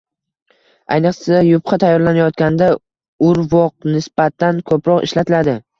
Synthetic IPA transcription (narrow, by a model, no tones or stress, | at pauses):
a̰jnɨqsaajʊpqɑt̪ʰajːɒɾlanajɒt̪̚kʲand̪a | ʊɾvɒq̚nɪsbat̪ʰːankʰɵpʰɾɒqɪ̰ʃlat̪ʰɪlad̪ɪ